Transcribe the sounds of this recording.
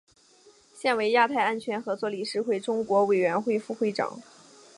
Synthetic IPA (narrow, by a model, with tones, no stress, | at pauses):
ɕjɛ˥˩nwe˧˥ɪja˥˧t̪ʰa˥˩ɪa˥nt͡ɕʰɥɛ˧˥nxɤ˧˥t͡swɔ˥˩li˨˩ʂɻ̩˥˧xwe˥˩ɪʈ͡ʂʊ˥ŋkwɔ˧˥we˨˩ɪɥɛ˧˥nxwe˥˧ɪfu˥˧xwe˥˩ɪʈ͡ʂɑ̰˨˩˦ŋ